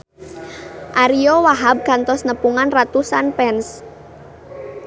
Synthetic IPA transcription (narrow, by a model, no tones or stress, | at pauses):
ʔaɾiowaɦab̚kant̪ɔsnəpuŋanrat̪usanpɛns